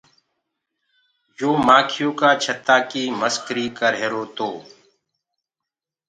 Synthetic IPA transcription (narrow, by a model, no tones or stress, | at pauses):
joːmaːkʰɪjõːkaːt͡ʃʰət̪ːaːkiːməskɾiːkəɾɦeːɾoːt̪oː